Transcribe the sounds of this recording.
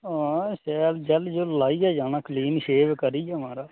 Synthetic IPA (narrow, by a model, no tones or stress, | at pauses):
ãːsɛːld͡ʒəld͡ʒoːlaːiːaːd͡ʒaːnaːkliːnʃeːʋkəɾiːjaːmaːɾaː